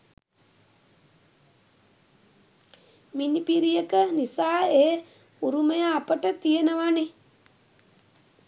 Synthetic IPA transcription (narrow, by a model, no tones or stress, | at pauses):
minipiɾijəkənisaːeː | uɾuməjaːpəʈət̪ijenəʋane